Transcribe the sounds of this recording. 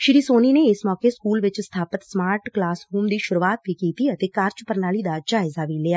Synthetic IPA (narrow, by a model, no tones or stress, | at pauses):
ʃɪɾiːsoːniːneːɪsmɔːkeskuːlʋɪt͡ʃst̪ʰaːpət̪smaːɾʈklaːsɦuːmd̪iːʃʊɾuːaːt̪̚biːkiːt̪iːət̪eːkəɾt͡ʃpəɾnaːliːd̪ad͡ʒaːɪzaːʋiːlɪːaː